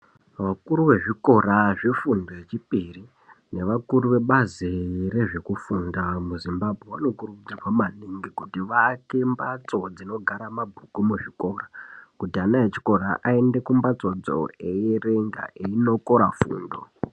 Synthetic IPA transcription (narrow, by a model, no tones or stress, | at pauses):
ʋakuɾuʋe̞ʐiko̞raʐifundoet͡ʃipiri | ne̞ʋakuɾuʋe̞ɓazire̞ʐe̞kufundamuzimbabʱweʋano̞kurukud͡zarwamaniŋɡikutiʋake̞mbat͡so̞d͡zino̞ɡʱaɾamabʱukumuʐiko̞ːrakutianaet͡ʃi̥ko̞ɾaʔae̞nde̞kumbat͡so̞d͡zo̰ejere̞ŋɡa̰ʔeino̞ko̞ɾafṵːndo̞̰